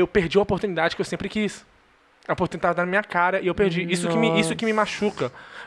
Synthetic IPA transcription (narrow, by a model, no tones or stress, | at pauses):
ewpeɾd͡ʒiɐopoɾt̪unid̪ad͡ʒɪkɪewsẽmpɾɪkis | apoɾt̪ũẽit̪avɐd̪aɾnɐmĩɲɐkaɾɐʔɪewpeɾd͡ʒiisʊkɪmɪisʊkɪmɪmaʃukɐ